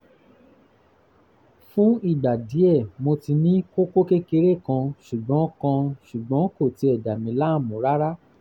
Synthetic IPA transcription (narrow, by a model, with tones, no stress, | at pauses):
fũ˦i˦˨ɡ͡ba˨di˨˦ɛ˦˨mo˧ti˧nĩ˦ko˦ko˦ke˦ke˧ɾe˦˨kã˧ʃu˨ɡ͡bɔ̃˨˦kã˧ʃu˨ɡ͡bɔ̃˨˦ko˦˨ti˧ɛ˨da˨mĩ˨˦la˦˨mũ˨˦ɾa˦ɾa˦